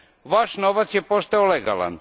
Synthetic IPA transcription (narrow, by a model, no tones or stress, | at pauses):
ʋaʃnoʋat̪sjepo̞st̪aoleɡa̰lˠa̰n